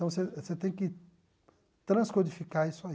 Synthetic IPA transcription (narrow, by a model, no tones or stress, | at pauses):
t̪ɐ̃w̃seset̪ẽj̃kɪ | t̪ɾɐ̃skod͡ʒifikaɾisʊa